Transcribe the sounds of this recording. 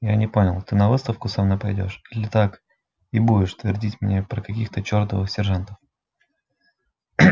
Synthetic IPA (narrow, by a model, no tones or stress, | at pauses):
janʲɪpo̞nʲɪlˠt̪ɨnɐvɨst̪əfkʊsamnojpɐjdʲo̞̰ʂilʲɪt̪ak | ibudʲɪʂt̪vʲɪrdʲitʲmʲnʲepɾəkɐkʲixt̪ət͡ɕort̪əvɨxsʲɪrʐant̪ə̥f